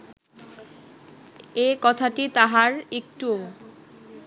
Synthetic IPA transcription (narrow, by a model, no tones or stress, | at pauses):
ekɔt̪ʰaʈit̪aɦaɾek̚ʈuo